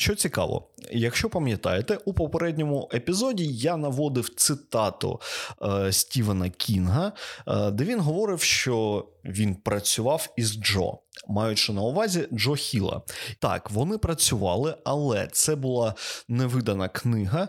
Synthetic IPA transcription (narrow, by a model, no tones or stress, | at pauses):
ʃt͡ʃɔt͡sʲikɑ̰ʋɔ̰jɐkʃt͡ʃɔpɐmʲjɐt̪ɑ̰jet̪ɛʔupɔpeɾɛdʲnʲɔmʊepʲizɔdʲijanɐʋɔd̪ɪwt̪sɪt̪ɑt̪ʊ̰ | sʲtʲiʋɐnɐkʲʰinɦɐd̪ɛʋʲinɦɔʋɔɾɪwʃt͡ʃɔʋʲinpɾɐt͡sʲʊʋɑwizd͡ʒɔ̰mɑjʊt͡ʃɪnɐʊʋɑzʲid͡ʒɔxʲilˠɐ̰t̪ɑ̰kʋɔnɪpɾɐt͡sʲʊʋɑ̰lˠɪɐlˠɛ̰t̪sɛbʊlˠɑnɛʋɪd̪ɐnɐknɪɦɐ